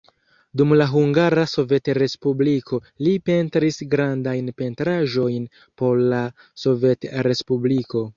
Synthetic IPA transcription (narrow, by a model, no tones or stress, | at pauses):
dumlaɦuŋɡaɾaso̞ve̞tɾe̞spublikʰo̞ | lipe̞ntɾisɡɾandajnpe̞ntɾaʒo̞jn | po̞ɾla | so̞ve̞tɾe̞spubliko̞